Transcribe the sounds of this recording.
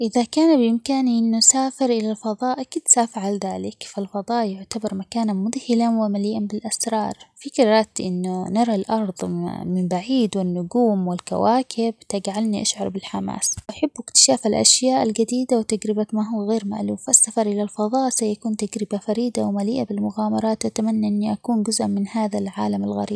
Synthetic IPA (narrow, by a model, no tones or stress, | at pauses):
ʔɪðakaːnbɪmkaːniʔɪnːʊsaːfɪɾʔɪlalfɑðˤɑːʔakiːd̪safʕalðaːlɪkfalfɑðˤɑːʔjʊʕt̪abɑɾˤmakaːnanmʊðhɪlanwɪmalɪjːanbɪlʔasɾˤɑːɾˤfiqɑɾɾˤaːt̪ʔɪ̰nːʊnɑɾˤɑlʔɑɾˤðˤmɪmbaʕiːd̪wɪnːʊɡuːmwɪlka̰waːkʰɪb̚t̪aɡʕalniʔaʃʕɑɾˤbɪlħama̰ːsʔaħabːɪkt̪ɪ̥ʃaːfalʔa̰ʃjaːʔalɡad̪iːd̪awt̪ad͡ʒɾɪbamaɦʊwːaɣeːɾma̰ʔluːfasːafɑɾˤʔɪlalfɑðˤɑːʔsajakuːnt̪aɡɾɪbafaɾiːd̪awmaliːʔabɪlmʊɣaːmɑɾˤɑːt̪ʔat̪amanːaʔɪnːiʔakuːnd͡ʒʊzʔamɪnhaːðalʕa̰ːlamalɣa̰ɾiːb